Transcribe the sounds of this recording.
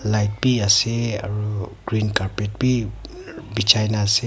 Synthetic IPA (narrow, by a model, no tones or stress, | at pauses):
lajt̚biaseaɹuɡɾinkaɾpet̚bi | bit͡ʃʰajnaːse